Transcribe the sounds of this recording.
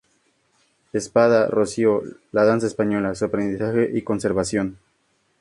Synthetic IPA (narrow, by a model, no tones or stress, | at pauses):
espaðarosjolaðans̬aespaɲo̞lasoɾpɾend̪isaxe̞ʔiko̞nseɾβasjo̞n